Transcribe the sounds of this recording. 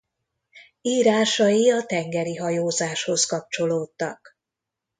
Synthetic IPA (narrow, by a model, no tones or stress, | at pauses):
iːɾaːʃɒjiɒt̪ɛŋɡɛɾiɦɒjoːzaːʃho̞skɒp̚t͡ʃo̞loːt̪ːɒk